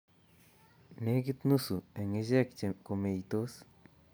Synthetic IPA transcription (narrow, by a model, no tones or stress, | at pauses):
neɡit̪nusueŋezeakt͡ʃemkomejt̪os